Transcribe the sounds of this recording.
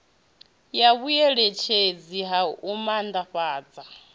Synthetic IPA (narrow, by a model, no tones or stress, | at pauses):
jaβujɛɺɛt͡ʃʰed͡ziɦaumand̪aɸaːd͡za